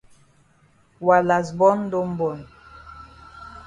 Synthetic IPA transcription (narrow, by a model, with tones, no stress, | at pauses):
wa˨la˨sbɔ˦n˦do˦m̩˦bo˨n